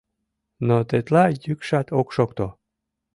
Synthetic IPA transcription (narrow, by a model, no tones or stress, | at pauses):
not̪et̪lɑjykʃɑt̪okʃokt̪o